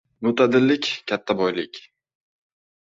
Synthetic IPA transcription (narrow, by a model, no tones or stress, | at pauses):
nʊt̪ʰad̪ɪlːɪkʲkʲʰat̪ʰːabɒjlɪkʲ